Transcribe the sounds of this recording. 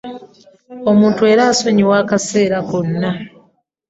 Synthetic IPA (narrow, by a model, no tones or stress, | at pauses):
o̞muːntue̞ːɾaːso̞ɲiwaːkase̞ːɾakonːa